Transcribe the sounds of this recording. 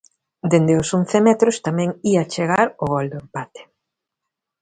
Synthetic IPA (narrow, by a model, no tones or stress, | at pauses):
d̪end̪eʊsonθemɛt̪ɾʊst̪amɛ̃ŋiat͡ʃeɣ̞aɾʊɣɔld̪ʊempat̪e̥